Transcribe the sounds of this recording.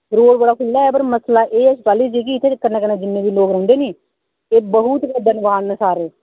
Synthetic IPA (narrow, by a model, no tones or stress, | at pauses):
ɾoːɽbəɽaːkʰʊlːaːɛːp̬əɾməslaːʔeːspaːliːd͡ʒiːk̬iɪt̪ʰːeːkəneːkənẽːd͡ʒɪnːẽːbiːloːkɾə̃ʊ̃nd̪eːniː | eːbəɦʊt̪ked̪ənʋaːnsaːɾeː